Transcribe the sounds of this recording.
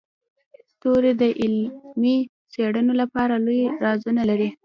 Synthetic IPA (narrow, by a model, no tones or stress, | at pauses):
st̪oɾed̪əʔɪlmi | t͡seɽənolapɑɾalojɾɑzunalaɾi